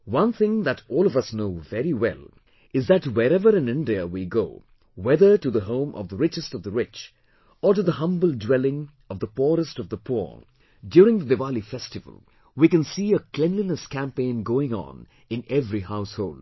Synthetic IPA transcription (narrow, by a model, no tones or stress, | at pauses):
wʌ̃nθɪ̃ŋðɨtɔːlˠʌvʌsnoʊvɛɹiwɛ̰lˠ | ɨzðɨtwɛɾɛvəɾɨ̃nɪ̃ndiəwiɡoʊ | wɛðə˞ʈɨðəɦõʊ̃mʔʌ̰vðəɹɪt͡ʃɨstʌvðəɹɪt͡ʃ | əɾɨðəhʌ̃mbəl̩ˠdwɛlˠɪ̃ŋ | ʌvðəpɔɾəstʌvðəpʰɔ̰ɹ | djuɾɪ̃ŋðədɨvalifɛstɨvə̰l̩ˠ | wikɨ̃nsiəkʰl̥ɛ̃nlinəskʰæ̃mpẽɪ̃nɡoʊɪ̃ŋə̰̃n | ɨ̃nɛvɾihaʊshoʊlˠd̥